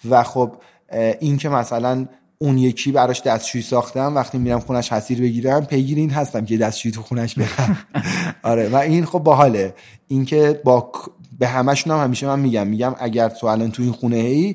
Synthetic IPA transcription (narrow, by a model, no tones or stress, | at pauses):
væxob | ʔincʰe̞mæsælæn | unje̞cʰiːbæɾɒʃd̪æst̪t͡ʃʰujisɒːxt̪æmvæxt̪imiɾæmxunæʃhæsiːɾbe̞ɟiːɾæmpʰe̞ɟiːɾind̪ɦæst̪æmcʰed̪æst̪t͡ʃʰujiːt̪ʰuxunæʃbe̞dæm | ɒɾevæinxo̞b̚ːɒɦɒːle | incʰe̞bɒːkʰbe̞ɦæmæʃunæmhæmiːʃe̞mænmiːɟæmːiɟæmʔæɟæɾt̪ʰoælɒːnt̪ʰuinxunehei